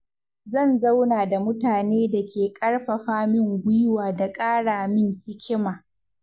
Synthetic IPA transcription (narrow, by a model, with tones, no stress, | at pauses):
zɐ˦˨nza˦wnaː˨da˨mʊ˦taː˨neː˦da˨kʲʰeː˨kʼɐ˦rɸɐ˨ɸaː˦mɪ˦˨ŋɡʷʊ˦jwaː˨da˨kʼaː˦ɽaː˨mɪ˦ŋhɪ˦kʲɪ˦maː˨